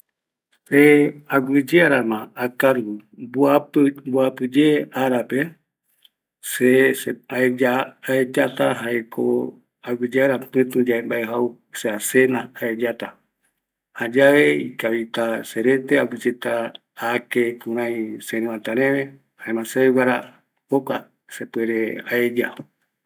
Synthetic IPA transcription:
seaɡʷɨd͡ʒeaɾamãakaɾɡubuabuapɨd͡ʒeaɾape | seeaed͡ʒaːed͡ʒat̪aɦaekʰo̰ | aɡɨd͡ʒeaɾapɨ̃t̪ũd͡ʒaembaeɦau | seasenaaed͡ʒat̪a | had͡ʒaʋeikaβit̪aseɾet̪eaɡɨd͡ʒet̪aː | kekũɾ̃ãĩseɾẽãt̪aɾẽʋe | hãẽmãseeɡaɾa | oka | sepweɾeaed͡ʒa

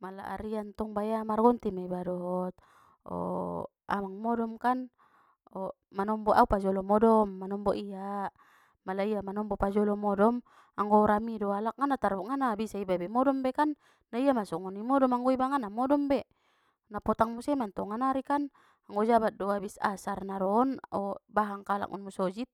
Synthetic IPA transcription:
mala̰ʔa̰ɾiant̪ɔŋbajamarɡɔnt̪imaibadɔɦɔt̪̚ | ɔ̰ | a̰maŋmɔdɔmkan | ɔ | manɔmbɔʔaupad͡ʒɔlɔmɔdɔmːanɔmbɔʔia | malaiamanɔmbɔpad͡ʒɔlɔmɔdɔm | aŋɡɔɾamidɔalak̚ŋanat̪aɾuŋanabisaibabɛmɔdɔmbɛkanː | aiamasɔŋɔnimɔdɔmaŋɡɔibaŋanamɔdɔmbɛ | napɔt̪aŋmusɛmant̪ɔŋanaɾikan | aŋɡɔd͡ʒabat̪̚dɔabisa̰sarnaɾɔnɔbaɦaŋkala̰kṵnmusɔd͡ʒit̪̚

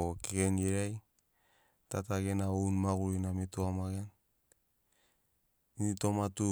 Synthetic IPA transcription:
okekenɡeɾaj | tataɡenaownmaɡuɾinamitoamaɡen | initomatu

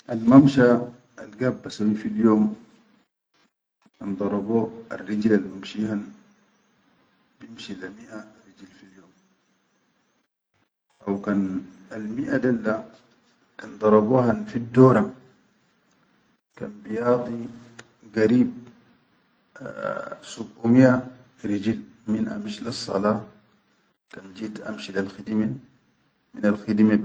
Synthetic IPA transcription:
ʔalmamʃa | alɡabːasawifiljoːm | kand̪ˤɑɾˤɑboa̰rːid͡ʒlalmamʃihan | bimʃilamiʔarːid͡ʒlfiljoːm | ʔawkanalmiʔad̪alːa | kand̪ˤɑɾˤɑbuhanfid̪ːoːɾa | ka̰nbijɑːd̪ˤi | ɡaɾiːb̚ | subʔumiʔa | ɾid͡ʒil | minʔa̰mʃilisˤːɑ̰lɑː | kand͡ʒiːd̪ʔa̰mʃilalxid̪imi | minalxid̪ime

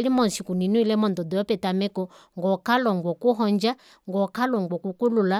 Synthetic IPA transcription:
limɔnsikuninuilɛmɔndɔdɔjɔpɛtamɛkɔŋɡɔkalɔŋɡwɔkuɦɔɲd͡ʒa | ŋɡɔkalɔŋɡwɔkukulula

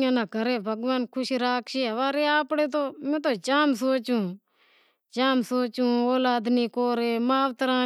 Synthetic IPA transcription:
ãːnaːɡʱəɾeːbʱɐɡʋaːnkʰʊʃiɾaːkʃiɦɐʋaːɾeːaːpɽeːt̪̬oːmɛ̃ːt̪̬oːt͡ʃaːms̬oːt͡ʃũː | t͡ʃaːmsoːt͡ʃũːoːlaːd̪niːkoːɾeːmaːʋt̪əɾãː

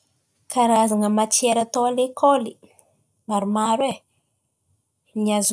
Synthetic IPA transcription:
kaɾazaŋəmat͡ʃieɾat̪oalekʰoli | maɾimaɾwe | nɲiaz

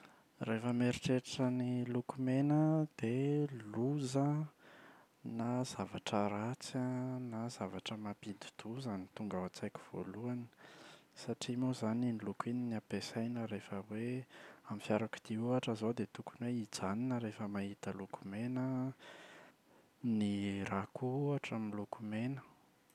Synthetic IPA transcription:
refəmeɾiʈ͡ʂeʈ͡ʂənilukumenəd̪̥eluzə | naz̥avaʈ͡ʂəɾat͡sanazavaʈ͡ʂəmapid̪u̥d̪̥uzanit̪uŋɡaat͡sajku̥v̥o̰luanə̥saʈ͡ʂimozaninilukininiapesajnəɾefəweamifjaɾaku̥d̪̥iuaʈ͡ʂəzod̪et̪ukunweid͡zaninəɾefəmaɦit̪əluku̥menə | niɾakuuaʈ͡ʂamilukumenə̥

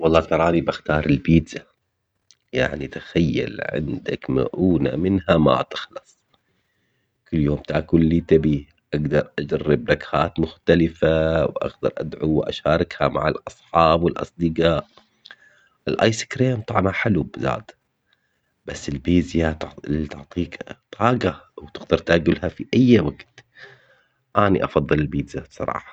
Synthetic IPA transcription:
wɑlˤːɑːt̪ɑɾˤɑːnibaxt̪ɑːɾˤɪlbiːza | ja̰ʕnit̪ḁxajːa̰lʕɪ̰nd̪akma̰ʔuːna̰mɪnhama̰t̪ɪ̥xlɨsˤ | kɪlːjoːmt̪aʔkulːit̪abiː | ʔaɡd̪ɑɾˤʔad͡ʒarːɪb̚nakhaːt̪mʊxt̪alɪfawʔa̰xd̪ɑ̰ɾˤʔa̰d̪ʕuwʔa̰ʃaːɾˤɪkhama̰ʕalʔɑsˤħɑːbwɪlʔɑ̰sˤd̪ɪɡaːʔ | ʔɪlʔa̰ːjsɪ̥kɾeːmt̪ˤɑʕmaħɪlubɪza̰ːt̪ | b̥asːɪlbiːzjat̪ʊʕt̪ˤiːkt̪ˤʰɑːɡawt̪ɪɡd̪ɑɾˤt̪aːɡɪlhafiʔajːwaɡt̪ | ʔaːnḭʔɑfɑðˤːɨlɪlbiːd̪zasˤɑ̰ɾˤɑ̰ːħɑ̥

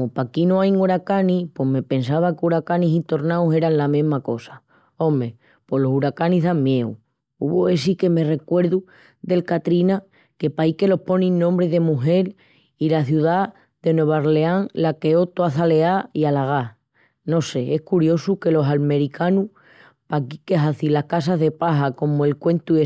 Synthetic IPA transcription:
opakinoajŋuɾakanipo̞ɦme̞pe̞nsaβ̞akeuɾakanisit̪o̞ɾnawse̞ɾanlamĩɦmako̞sḁ | õ̞me̞ | po̞lo̞suɾakaniɦðaŋmje̞ṵ | ṵβoe̞s̬ike̞me̞re̞kwe̞ɾðu | ðe̞lkat̪ɾina | ke̞pajke̞lo̞hpo̞nĩnnːõmbɾeðe̞muɦe̞l | ilaθjuða | ðe̞nwe̞βaɾleaŋlake̞o̞t̪oaθale̞aialaɣ̞a | no̞se̞ehkuɾjo̞suke̞lo̞salme̞ɾikʰanu | pakikeɦaθilahkas̬aɦðe̞paɦako̞moe̞lkwe̞nt̪ue

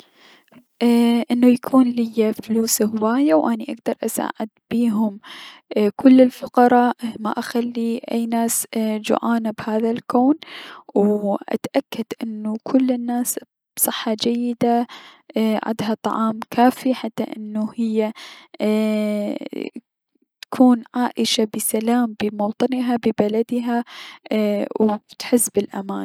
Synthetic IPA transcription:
ʔʔɪnːujakʰuːnlɪjːafluːshʊwaːjawʔaniʔaɡd̪ɑɾˤʔasa̰ːʕɪ̰d̪̚b̥iːɦʊm | kʊlːɪlfʊqɑɾˤɑːʔma̰ʔaxalːiʔajːnaːsd͡ʒʊ̰ʕaːnabhaːðalkoːnwʔa̰t̪ʔakːad̪ʔɪnːukʰʊlːɪnːaːs | bsˤɨħːɑd͡ʒajːɪd̪a | ʕa̰d̪ɦat̪ˤɑ̰ʕɑːmkʰaːfiħat̪ːaʔɪ̰nːuhɪjːa | t̪ḁkʰuːnʕaːʔɪʃabɪsalaːmbɪmowt̪ˤɨnɦabɪbalad̪ɦa | wt̪ħɪsːbɪlʔa̰maːn

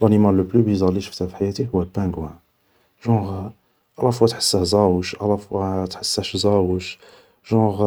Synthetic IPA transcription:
lʔænimalːəplybizɑliʃə̥ft̪æfħajæt̪ihʊwæpːæ̃ɡwæ̃ | ʒɑ̃ʁ | ʔɑlɑfuwæt̪ħə̥sːæhzæwəʃʔɑlːɑfæt̪ħəsːæʃzæwəʃ | ʒɑ̃ʁ

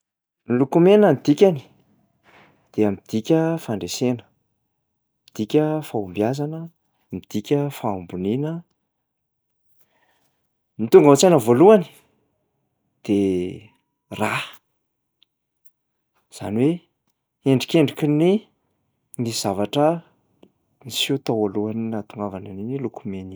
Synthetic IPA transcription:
lukumenəmid̪ikʲani̥ | d̪̥eamid̪̥ikʲəfaɳɖ͡ʐesenə̥ | mid̪̥ikʲəfaumbjazanə | mid̪̥ikʲəfaumbuninə | mit̪uŋɡaat͡sanəvoluani̥ | d̪̥e | ra | z̥a̰niwe | eɳɖ͡ʐikʲeɳɖ͡ʐikʲini | niz̥avaʈ͡ʂə | nisiut̪awoluaninat̪uŋɡavananinilukumeni

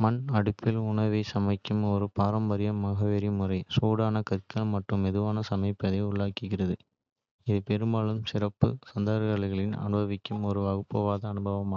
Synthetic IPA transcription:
mɐnɐɽɪpːɪlʊɳɐʋɐɪsɐmɐɪkːɯmɔɾɯpaːɾɐmbɐɾɪjɐmɐɣɐʋeːɾimʊrɐɪsoːɽaːnɐkɐɾkːɐɭmɐʈrɯmɛðɯʋaːnɐsɐmɐɪpːɐðɐɪʊɭːaːkːɯɣɪrɐðɯ | ɪðɯpɛɾɯmbaːlɯmsɪrɐpːɯ̰sɐnd̪ɐɾɐɣɐɭɣɐɭɪnɐ̰nɯbɐʋɪkːɯmɔɾɯɐɣɯpːɐʋaːðɐːnɯbɐʋɐmaː

